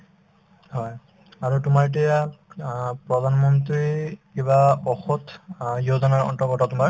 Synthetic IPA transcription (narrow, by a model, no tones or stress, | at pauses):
hɔj | aɹutʊmaɹt̬ija | pɹɔd̪ʱanmɔntɹikebabɔxɔtjodɔnaɹɔ̰ntɔɡɔtɔtumaɹ